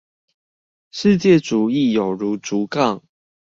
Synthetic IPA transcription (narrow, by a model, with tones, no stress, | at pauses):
ʂɻ̩˥˧t͡ɕjɛ˥˨ʈ͡ʂu˨˩i˥˨jo˨˩ʊɻu˨˦ʈ͡ʂu˨˦kɑ˥˨ŋ